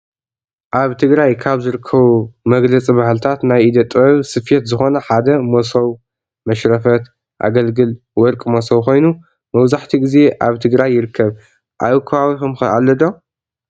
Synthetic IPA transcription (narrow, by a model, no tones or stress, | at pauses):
ʔaβt̪ʰɨɡɾajkʰaβzɨɾɨkʰːɐβumɐɡlɐt͡sʼibahlɨt̪ʰat̪najid̪ɐt̪ʼɐβsɨfet̪zɨxo̞nɐħad̪ɐmosɐw | mɐʃɾɐfɐt̪ | ʔa̰ɡɐlɡɨl | wɔɾkʼmosɐwkʰo̞jnu | mɐwzaħt̪ʰiɡize̞ʔaβt̪ʰɨɡɾajːɪɾɨkʰːɐβ | ʔaβkʰɐβawixumɨalːɐd̪o